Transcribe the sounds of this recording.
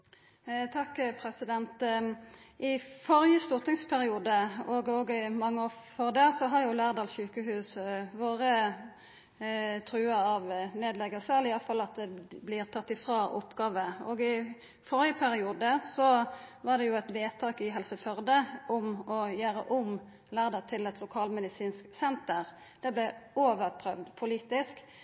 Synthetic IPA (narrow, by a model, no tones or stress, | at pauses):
t̪ʰɑkːpʰɾɛsɪd̪ɛnt̪ | ʔɪfɔɾjəst̪ʊt̪nɪŋspʰæɾɪuːd̪əɔɡoːɡɪmɑŋːəoːfɔʁd̪eːsɔɦɑɾjʊlæːʁd̪ɑːlɕʉːkəɦʉːsʋoːʁə | t̪ʰɾʉːɑɑʋneːd̪lɛɡəsɛlɪjɑlfɑlːɑt̪̚d̪ɛblɪːʁt̪ʰɑt̪ːɪfʁɑːʔʊpːɡɑːʋəoːɡɪ | fɔɾɪəpʰæɾɪuːd̪əsɔʋɑːʁd̪ɛjʊɛt̪ʋeːt̪ʰɑːkɪɦɛlsəfœʁd̪əʔʊmɔjøːɾə̰ʔʊm | læːʁd̪ɑʁt̪ʰɪlɛt̪lʊkʰɑːlmɛd̪ɪsiːnsksɛnt̪əʁ | d̪̥ɛblɛoːʋəɾpʰɾœʋd̪pʰʊliːt̪ɪsk